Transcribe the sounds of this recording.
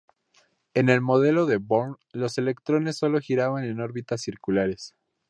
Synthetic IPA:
e̞ne̞lmo̞ð̞e̞lo̞ðe̞bon | lo̞se̞le̞kt̪ɾo̞ne̞sːo̞lo̞xiɾaβane̞no̞ɾβit̪asiɾkulaɾes

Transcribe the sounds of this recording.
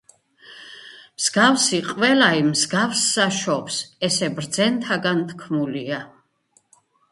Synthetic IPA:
mz̥ɡafsiqʼvɛlaimzɡafsːaʃɔpsɛsɛbɾd̪zɛnt̪ʰaɡant̪ʰkʰmulia

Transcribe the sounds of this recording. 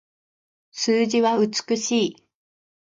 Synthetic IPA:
sɨːʑiβaɯ̟t͡sɨ̥kɯ̟ɕiː

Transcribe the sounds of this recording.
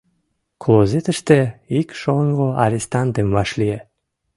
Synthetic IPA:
klˠozet̪ə̆ʃt̪eikʃoŋʁoa̰ɾʲest̪ɑnd̪emvɑʃlie

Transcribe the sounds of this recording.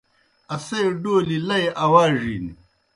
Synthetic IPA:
ɐsejɖoːlilɐjʔɐwaːʐḭːni

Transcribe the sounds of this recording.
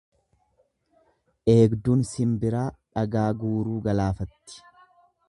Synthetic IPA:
ʔe̞ːɡd̪uːnsɪmbɪɾaːᶑɐɡaːɡuːɾuːɡɐlaːfɐt̪ːɪ̥

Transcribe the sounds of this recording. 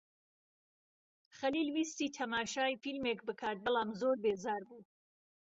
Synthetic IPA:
χɐliːlwiːst̪iːt̪ʰɐmaːʃaːjfilmeːkbɨkʰaːt̪̚bɨlaːmzoːɾbeːzaːɾbuː

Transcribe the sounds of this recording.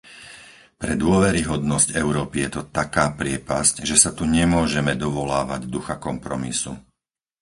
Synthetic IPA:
pɾɛd̪ʊɔʋɛɾiɦɔd̪nɔscɛʊɾɔːpijɛt̪ɔt̪akaːpɾɪɛpascʒɛsat̪uɲɛmʊɔʒɛmɛd̪ɔʋɔlaːʋaɟd̪uxakɔmpɾɔmisu

